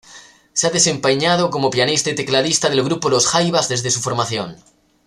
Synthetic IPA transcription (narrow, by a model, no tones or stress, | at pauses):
seaðe̞sẽ̞mpeɲað̞oko̞mopjanist̪ait̪e̞klaðist̪aðe̞lɣɾupolosxajβazðe̞zðe̞sufo̞ɾmaθjo̞̰n